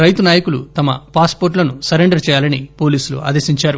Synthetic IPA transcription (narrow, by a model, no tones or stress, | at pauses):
ɾɐjt̪unaːjɐkulṵt̪ɐmɐpaːspoːɾʈlɐnusɐɾeɳɖɐɾt͡ʃɛːjaːlɐnipo̞ːliːsulṵʔa̰ːd̪esiɲt͡ʃaːɾu